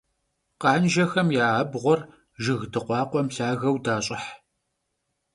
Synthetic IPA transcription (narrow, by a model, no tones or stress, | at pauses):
qɑːnʒɐxɐmjaːbʁʷɔr | ʒɨɣdɨqʷɑːqʷɔmɬaːɣɐwdaːɕʼɪħ